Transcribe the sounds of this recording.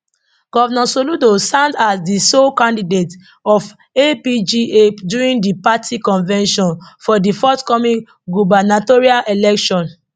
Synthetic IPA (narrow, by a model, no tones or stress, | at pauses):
ɡ̥ɔvnɔ̃soludosãndasdisokãndidet | ɔf | epid͡ʒieduɹĩndipatʰikɔ̃nvɛ̃nʃɔ̃nfɔdifɔtkɔmĩŋ | ɡubanatɔɹialʔelɛkʃɔ̃n